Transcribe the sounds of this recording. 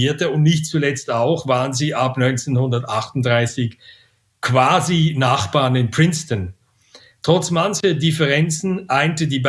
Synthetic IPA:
iːɐtəʊntnɪçt̚t͡sulɛt͡staʊxv̥aːʁənziːʔapnɔʏnt͡seːnhʊndɐtʔaχtʊnt̚d̥ʁaɪsɪç | kv̥aːzinaχb̥aːɐnɪnpʁ̥ɪnstən | tʁ̥ɔt͡smançɐdɪfəʁɛnt͡sn̩ʔaɪntədiːb

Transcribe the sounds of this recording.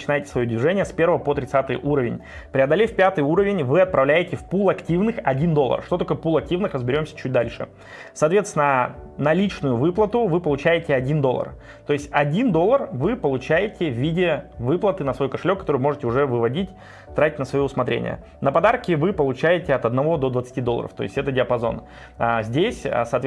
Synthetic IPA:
t͡ɕɪnajɪtʲɪ̥svɐjod̪vʲɪʐɛnʲɪjəspʲe̞rvəvəpot̪ɾʲɪt̪sat̪ɨjʔuɾəvʲɪ̰nʲ | pɾʲɪɐd̪ɐlʲefpʲat̪ɨjuɾəvʲɪnʲvɨɐt̪̚pɾɐvlʲæjɪtʲɪfpulˠɐktʲivnɨxɐdʲind̪o̞lˠːə̰rʂt̪oɐko̞jəpulˠɐk̚tʲivnɨxrəzbʲɪɾʲo̞msʲə̥t͡ɕʉt̚ʲd̪alʲʂɨ̰ | sɐːt̪vʲet̪st̪ʲɪnənɐlʲit͡ɕnʊjʊvɨplˠət̪ʊvɨpəlˠʊt͡ɕæjɪtʲɪɐdʲind̪o̞lˠə̰r | t̪o̞ɪsʲtʲɐdʲind̪o̞lˠːərvɨpəlˠʊt͡ɕæjɪtʲɪvʲːidʲɪvɨplˠət̪ɨnəsvo̞jkəʂɨlʲokːɐt̪oɨvɪmo̞ʐɨtʲɪʊʐɛvɨvɐdʲitʲ | t̪ɾatʲɪ̥tʲnəsvɐjoʊsmɐt̪ɾʲḛnʲɪ̰jə̰ | nəpɐd̪arkʲɪvɨpəlˠʊt͡ɕæjɪtʲɪɐt̪ɐd̪nɐvo̞d̪o̞d̪vət̪sɨ̥tʲid̪oə̰ɾə̰ft̪o̞̰ɪ̰sʲtʲɛt̪ədʲɪəpɐzo̞̰n | azʲdʲesʲsɐːt̪

